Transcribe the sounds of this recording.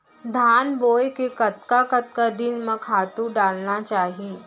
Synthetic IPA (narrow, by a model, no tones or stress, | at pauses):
d̪ʱaːnboːjkekɐt̪̚kakɐt̪̚kad̪ɪnmɐ̃kʰaːt̪ũɖaːlnat͡ʃaːɦieː